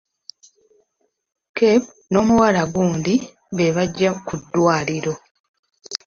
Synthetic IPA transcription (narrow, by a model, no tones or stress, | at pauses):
kep | no̞ːmuwalaɡuːndi | βeβaɟːakudːwaːliɾo̞